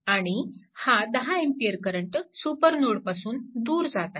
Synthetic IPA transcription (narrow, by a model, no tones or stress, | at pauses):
aɽ̃ihad̪əɦaempijəɾkəɾəɳʈsupəɾnoɽpasuːnd̪uːɾd͡zat̪a